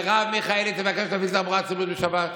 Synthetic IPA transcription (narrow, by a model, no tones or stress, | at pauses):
ʁavmeχaelet̪evakeʃt̪avizamuʁat͡silut̪beʃabat̪